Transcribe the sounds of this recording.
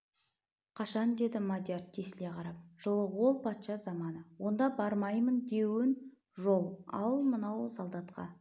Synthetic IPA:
qʰɑʃɑnd̪e̞d̪ɪmad̪ʲjart̪ʰːe̞sle̞qʰɑɾɑp̚ʒ̥əlˠəwo̞lˠpʰɑt̪ʃɑzɑmɑnəwo̞nd̪ɑbɑɾmɑjmənd̪e̞wɪn | ʒo̞lˠɑ̰lˠmənɑwsɑlˠd̪ɑt̪qɑ̰

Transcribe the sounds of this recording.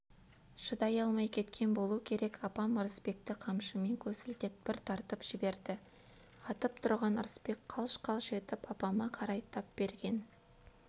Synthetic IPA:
ʃəd̪ɑjɑlˠmɑjkʲʰe̞t̪kʲʰe̞nbo̞lˠukʲʰe̞ɾe̞kʰɑpɑməɾəspe̞k̚t̪ɪqʰɑmʃəme̞ŋkʲʰɵsɪlt̪et̪̚bɪɾt̪ʰɑɾt̪əpʒ̥ɪbe̞ɾd̪ɪ | ɑt̪əp̚t̪ʰʊɾʁɑnəɾəspe̞kqʰɑlˠʃqʰɑlˠʃe̞t̪ɪpɑpɑmɑqʰɑɾɑjt̪ʰɑp̚b̥e̞ɾɡʲe̞n

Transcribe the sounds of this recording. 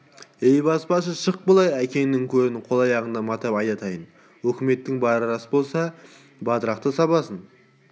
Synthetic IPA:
ejbɑspɑʃəʃəq̚bəlˠɑjækʲe̞nɪŋkʲʰɵɾɪnɪqʰo̞lˠɑjɑʁənd̪ɑmɑt̪ɑpɑjt̪ɑt̪ʰɑjən | wɵkʲɪme̞t̪ːɪŋbɑɾɾəɾɑsəbo̞lˠsɑ | bɑt̪əɾɑq̚t̪əsɑβɑsən

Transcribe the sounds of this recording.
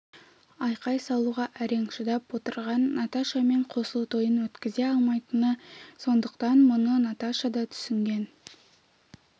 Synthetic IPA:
ɑjqɑjsɑlˠuʁɑʔæɾe̞ŋʃəd̪ɑpwo̞t̪əɾʁɑnːat̪aʃɑme̞ɴqʰo̞səlˠt̪ʰo̞jənwɵt̪kʲɪze̞ɑlˠmɑjt̪ənəso̞nd̪əqt̪ɑnmʊnənɑt̪aʃad̪ɑt̪ʰʏ̥sɪŋɡʲe̞n

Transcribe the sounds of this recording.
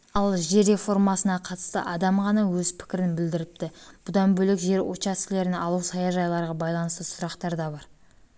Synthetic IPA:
ɑlˠʒe̞ɾe̞fo̞rmɑsənɑqʰɑt̪ə̥st̪ə̰ʔɑd̪ɑmʁɑnɑwɵzpʰɪ̥kʲɪɾɪnbɪld̪ɪɾɪp̚t̪ɪb̥ʊd̪ɑnbɵlekʒe̞ɾo̞̰t̪t͡ʃɑst̪ɪle̞ɾɪnɑlˠusɑjɑʒɑjlˠɑɾʁɑbɑjlˠɑnəst̪əsʊɾɑqt̪ɑɾd̪ɑbɑɾ

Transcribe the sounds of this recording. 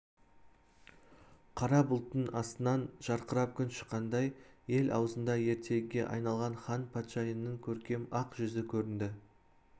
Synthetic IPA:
qʰɑɾɑbʊlˠt̪ənɑst̪ənɑnʒ̥ɑɾqəɾɑp̚kʲʰʏnʃə̥qːɑnd̪ɑjje̞lɑ̰wəzənd̪ɑje̞ɾt̪ʰe̞ɡɡʲe̞ʔɑ̰jnɑlˠʁɑnχɑnpʰɑt̪ʃɑjənːəɴkʲʰɵɾkʲe̞mɑqʒʏzɪkʲʰɵɾɪnd̪ɪ

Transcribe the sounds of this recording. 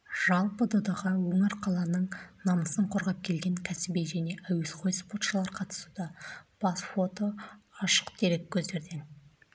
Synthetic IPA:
ʒ̥ɑlˠpəd̪od̪ɑʁɑwoŋəɾqʰɑlˠɑnəɴnɑməsəɴqʰoɾʁɑp̚kʲʰe̞lɡʲe̞ŋkʲʰæsɪbejʒæne̞ʔæwe̞sqʰo̞jspo̞t̪ʃəlˠɑɾqʰɑt̪ə̥sud̪ɑb̥ɑsfo̞t̪oɑʃə̥qt̪ʰe̞ɾe̞kʲʰːɵzd̪e̞ɾd̪e̞n

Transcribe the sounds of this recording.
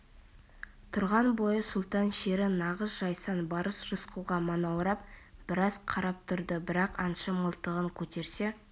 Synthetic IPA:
t̪ʰʊɾʁɑnbo̞jəsʊlˠt̪ɑnʃe̞ɾɪnɑʁəsʒɑjsɑnbɑɾəsʒʊsqulˠʁɑmɑnɑwɾɑp̚b̥ɪɾɑzqʰɑɾɑp̚t̪ʰʊɾd̪əbɪɾɑqɑnʃəməlˠt̪əʁəŋkʲʰɵt̪e̞ɾse

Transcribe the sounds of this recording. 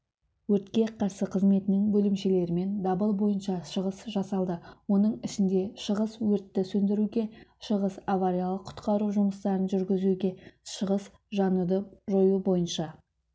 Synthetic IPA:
wɵɾt̪kʲe̞qʰɑɾsəqʰəzme̞t̪ɪnɪŋbɵlɪmʃe̞le̞ɾɪme̞nd̪ɑbəlˠbo̞jənʃɑʃəʁəsʒɑsɑlˠd̪əwo̞nəɴɪʃɪnd̪e̞ʃəʁəswɵɾt̪ːɪsɵnd̪ɪɾuɡʲe̞ʃəʁəsavaɾʲijalˠəqʰːʊ̥t̪qɑɾuʒʊməst̪ɑɾənʒʏɾɡʲɪzuɡʲe̞ʃəʁəs | ʒɑnud̪əʒo̞jubo̞jənʃɑ

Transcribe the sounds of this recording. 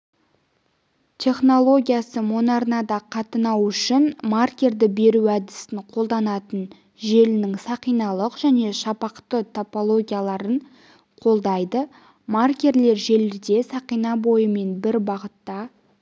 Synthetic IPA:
t̪ʲʰe̞χno̞lˠo̞ɡʲijasəmonɑɾnɑd̪ɑqʰɑt̪ənɑwʏʃɪnmarkʲe̞ɾd̪ɪbe̞ɾuæd̪ɪsɪɴqʰo̞lˠd̪ɑnɑt̪ən | ʒe̞lɪnɪŋsɑqijnɑlˠəqʒæne̞ʃɑpɑqt̪ət̪ʰopo̞lˠo̞ɡʲijalˠɑɾəɴ | qʰo̞lˠd̪ɑjd̪ə | markʲe̞ɾle̞ɾʒe̞lɪd̪e̞sɑqijnɑbo̞jəme̞nbɪɾbɑʁət̪ːɑ

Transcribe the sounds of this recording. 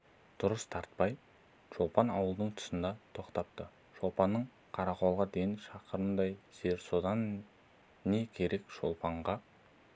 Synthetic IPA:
d̪̥ʊɾəst̪ʰɑɾt̪̚pɑj | ʒo̞lˠpɑnɑwəlˠd̪əɴt̪ʰʊ̥sənd̪ɑt̪ʰo̞qt̪ɑp̚t̪ə | ʃo̞lˠpɑnːəɴ | qʰɑɾɑqo̞lˠʁɑd̪e̞jɪnʃɑqəɾənd̪ɑjseɾso̞d̪ɑnː | e̞kʲʰe̞ɾe̞kʃo̞̰lˠpɑɴʁɑ

